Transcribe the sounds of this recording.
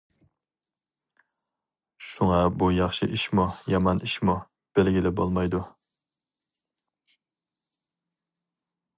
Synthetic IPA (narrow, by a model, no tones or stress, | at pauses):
ʃuŋɑbujɑχʃɪʔiʃmujɑmɑnʔiʃmu | b̥ɪlɡʲilɪbolˠmɑjd̪u